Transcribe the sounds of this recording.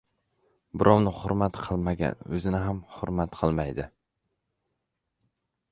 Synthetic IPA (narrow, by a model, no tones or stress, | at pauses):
bɪɾʔɒwnɪhʊɾmat̪qʰɨlˠmaɡʲa̰nɵzɪnɪɦamhʊɾmat̪qʰɨlˠmajd̪ɪ